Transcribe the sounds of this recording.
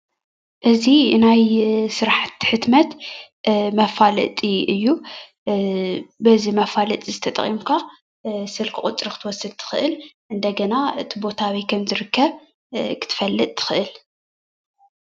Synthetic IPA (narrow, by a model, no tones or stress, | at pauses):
ʔɨzinajsɨɾaħat̪ħɨt̪mɐt̪ | mɐfalɐ̰t̪ʼiɨjːu | bɐzimɐfalɐt̪ʼizɨt̪ʰɐt̪ʼɐ̰χʼimkʰa | sɨlkʰɨχʼʊt͡sʼɾikɨ̥t̪ʰɨwɔsːɨd̪̚t̪ʰɨ̥xɨʔɨlʔɨnd̪ɐɡɐnaɨt̪ʰibo̞t̪ʰawijkʰɐmzɨɾɨkʰːɐβ | kʰɨ̥t̪ʰɨ̥fɐlːɨt̪̚ʼt̪ʰɨ̥xɨʔɨl